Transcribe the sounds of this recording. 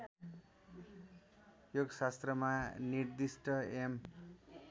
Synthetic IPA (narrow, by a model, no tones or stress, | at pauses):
joɡʌsast̪rʌmanird̪isʈʌem